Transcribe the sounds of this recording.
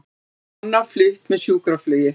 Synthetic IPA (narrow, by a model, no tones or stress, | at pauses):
nːaflʏht̪mɛðsjuːkɾaflœːɥjɪ